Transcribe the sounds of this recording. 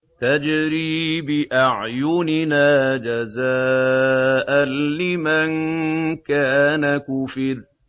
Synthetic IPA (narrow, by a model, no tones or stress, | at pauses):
t̪ad͡ʒɾiːbɪʔaʕjʊnɪnaːd͡ʒazaː | ʔanlɪmankaːnakʊfɪɾ